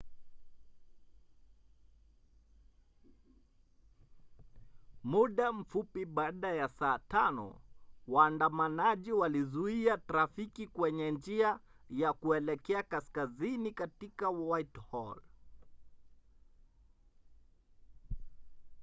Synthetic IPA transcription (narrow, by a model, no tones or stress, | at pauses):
muɗam̩fupiɓaɗajasaːtanɔ̰waːndamanaʄiwalizuiatɾafikikwɛɲɛnd͡ʒia | jakuɛlɛkɛakaskazinikatikawaithɔ̰l